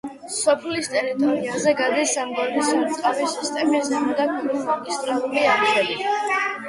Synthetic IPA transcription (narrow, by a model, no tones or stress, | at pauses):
sɔpʰlist̪ʼɛɾit̪ʼɔɾiiazɛɡad̪ɛsamɡɔɾbisut̪sʼqʼavisist̪ʼɛmizɛmɔd̪akʰiɾuχɔɡist̪ʼɾalˠuliaɾʒɛli